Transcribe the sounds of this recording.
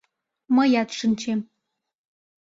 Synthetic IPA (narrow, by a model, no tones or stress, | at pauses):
mɐjat̪ʂɨnt͡ʃʰem